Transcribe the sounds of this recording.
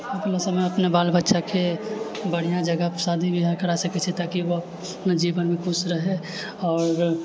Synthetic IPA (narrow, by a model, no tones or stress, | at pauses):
akləsəməɐpnebaːlbətːʃakʰe | bəɽ̤ijãd͡ʒəɡəpəsaːd̪ʱibiɦaɾkəɾasɐkɛt͡ʃʰɛt̪akiʋop | nad͡ʒiːʋənmẽkʊsɾəɦe | ɔːɾ